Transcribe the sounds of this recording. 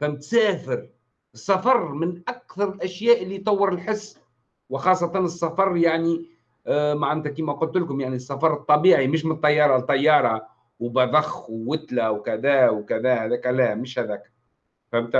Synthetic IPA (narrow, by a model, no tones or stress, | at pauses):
fæmt̪sæːfɪɾ | ɨsˤːɑfɑɾˤmɪnʔakθɑɾˤɪlʔæʃjæːʔɪlːijt̪ˤɑwːəɾɪlħɪsː | wɪxɑːsˤːɑt̪ˤɑnɨsˤːɑfɑɾˤjaʕni | maʕant̪ækiːmæqʊlt̪lkʊmjaʕnisˤːɑfɑɾˤt̪ˤːɑbiːʕimɪʃ̬mɪnt̪ˤːɑjːɑːɾˤɑt̪ˤːɑjːɑːɾˤɑ | wbɑðˤɑxwːɪt̪læwkæðæːwkæðæːhæðæːkælæmɪʃhæðæːkæ | fæmt̪